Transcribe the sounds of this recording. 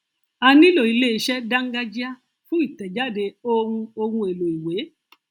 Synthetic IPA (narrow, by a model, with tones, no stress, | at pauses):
a˧nĩ˦lo˨i˨le˦˨ʃɛ˦da˦ŋ̩˦ɡa˦d͡ʒi˦a˦ | fũ˦i˦˨tɛ˨d͡ʒa˦˨de˧o˧ɾũ˧o˧ɾũ˧e˨lo˨i˨we˨˦